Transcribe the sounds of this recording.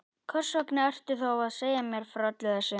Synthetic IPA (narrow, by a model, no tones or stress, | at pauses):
kʰœr̥sɔknɪajr̥t̪ʏθowaðseːjamjɛɾ̥fɾat̪lɪθɛsːʏ